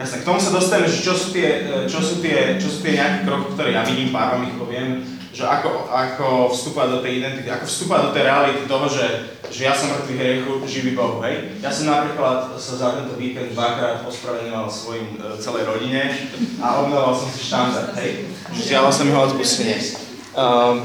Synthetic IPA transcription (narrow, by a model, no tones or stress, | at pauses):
jasnɛkt̪ɔmusad̪ɔst̪aʋɛmɛʒɛt͡ʃɔsuːt̪ɪɛt͡ʃɔsuːt̪ɪɛt͡ʃɔsuːt̪ɪɛɲɛakɛkɾɔki̥kt̪ɔɾɛːjaviɲiːmpaɾlamipɔʋɪɛm | ʒɛʔakɔʔakɔfst̪upɔʋad̪ɔt̪ɛjid̪ɛnt̪it̪iakɔfst̪upɔʋad̪ɔt̪ɛjɾɛalit̪it̪ɔɦɔʒɛ | ʒɛjasɔmːr̩t̪ʋiɦɾɪɛxuʒiʋibɔɦuɦɛj | jasɔmnapɾiːklat̪sazat̪ɛnt̪ɔʋiːkɛnd̪d̪ʋakɾaːt̪pɔspɾaʋɛɲɔʋalˠfsʋɔjim | t͡sɛlɛjɾɔɟiɲɛaɔbmɛlɔʋalsɔmsi̥ʃt̪and̪aɾd̪ɦɛj | ʒɛzdɪalilsamiɦɔazbisuɲɛs